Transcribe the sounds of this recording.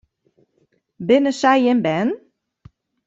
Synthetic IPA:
bɪnəsajɪnbɛn

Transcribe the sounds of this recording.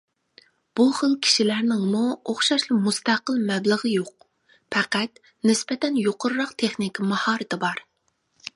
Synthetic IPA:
b̥uχəlkʲʰi̥ʃilæɾnɪŋmuoχʃɑʃlˠɨmust̪æqəlˠmɛbləʁəjoq̚ | pʰɛqæt̪ | nɪspɛt̪ɛnjoqʰʊɾːɑqt̪ʰeχnikʲimɑhɑːɾɨt̪ʰɪbɑɾ

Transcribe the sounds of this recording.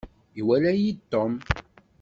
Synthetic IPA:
iwælæjit̪ːom

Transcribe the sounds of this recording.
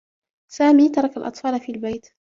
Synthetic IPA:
saːmiːt̪ɑɾˤɑkalʔɑt̪ˤfɑːlafiːalbajt̪

